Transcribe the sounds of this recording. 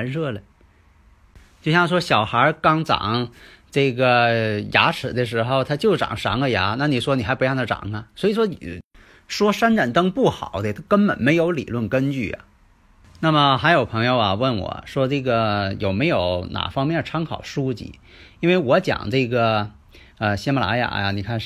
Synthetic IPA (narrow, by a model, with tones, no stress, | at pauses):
nʂɤ˥˩lə˨˩ | t͡ɕjo˥˧ʊɕjɑ˥˩ŋʂwɔ˥ɕjɑ˨˩ʊxə˞˧˥kɑ˥ŋʈ͡ʂɑ̰˨˩˦ŋ | ʈ͡ʂɤ˥˩ɡə˩ja̰˧˥ʈ͡ʂʰɻ̩˨˩d̪ə˦ʂ̬ɻ̩˧˥xo˧ʊt̪ʰa˥t͡ɕjo˥˩ʊʈ͡ʂɑ̰˨˩ŋʂɑ̰˧˥ŋə˧ja˧˥na˥˩ni˨˩ʂwɔ˥ni˨˩xa˧˥pu˧˥jɑ˥˩t̪ə˧˩ʈ͡ʂɑ̰˨˩ŋɐ˧swɔ˧˥i˨˩ʂwɔ˥i˨˩ | ʂwɔ˥ʂa˥nʈ͡ʂa˨˩nt̪ɤ˥ŋpu˥˩xɑ˨˩˦ʊd̪ə˥˦t̪ʰkə˥npə̰˨˩nme˧˥ɪjo˧˥ʊlḭ˨˩lwə˥˩nkə˥nt͡ɕy˥˩ɐ̰˩ | na˥˩mə˩xa˧˥ɪjo˨˩ʊpʰɤ˧˥ŋjo˧ʊɐ̰˩wə˥˩nwɔ̰˨˩ʂwɔ˥ʈ͡ʂɤ˥˩ɡə˩jo˨˩ʊme˧˥ɪjo˧˥ʊna̰˨˩fɑ˥ŋmjɛ˥˩nʈ͡ʂʰɑ˥ŋkʰɑ̰˨˩ʊʂu˥t͡ɕḭ˥˩ | i˥nwe˥˩ɪwɔ˧˥t͡ɕjɑ̰˨˩˦ŋʈ͡ʂɤ˥˩ɡə˩ | ə˧ɕɛ˥ma˧la̰˧˥ja̰˧˥jɐ̰˧ni˨˩kʰa˥˩n